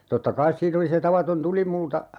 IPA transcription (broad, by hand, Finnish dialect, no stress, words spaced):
totːɑ kɑis siːn oli se tɑʋɑton tulimultɑ